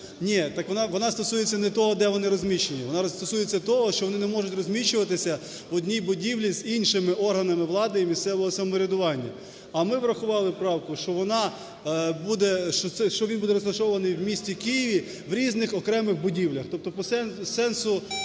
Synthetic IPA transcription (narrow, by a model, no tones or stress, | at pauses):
nʲit̪ɑkʋɔnɑʋɔnɑst̪ɔsujet͡sʲːɐnɛt̪ɔɦɔd̪ɛʋɔnɪɾɔzʲmʲiʃenʲiʋɔnɑst̪ɔsujet͡sʲːɐt̪ɔɦɔʃt͡ʃɔʋɔnɪnɛmɔʒʊtʲrɔzʲmʲit͡ʃʊʋɐt̪ɪsʲɐ | ʋɔdʲnʲijbʊdʲiʋlʲizinʃɪmɪʔɔrɦɐnɐmɪʋlˠɑd̪ɐimʲist̪sɛʋɔɦɔsɐmɔɾʲɐd̪ʊʋɑnʲːɐ | ɐmɪʋɾɐxʊʋɑlˠɪpɾɑwkʊʃt͡ʃɔʋɔnɑ | bud̪ɛʃt͡ʃɔt̪sɛʃt͡ʃɔʋʲinbud̪ɛɾɔzlɐʃɔʋɐnɪjwmʲisʲtʲikɪjiʋʲi | ʋɾʲiznɪxɔkɾɛmɪxbʊdʲiwlʲɐxt̪ɔp̚t̪ɔpɔsɛsɛnsʊ